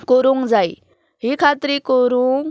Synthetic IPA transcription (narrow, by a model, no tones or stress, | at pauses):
koɾuŋd͡zaj | ɦikʰat̪ɾikoɾuŋ